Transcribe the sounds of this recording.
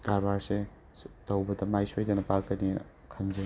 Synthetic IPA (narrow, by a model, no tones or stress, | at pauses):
ɡaɾbaɾse | tɐwbɐdɐmajsojdanɐpakɐni | kʰɐnze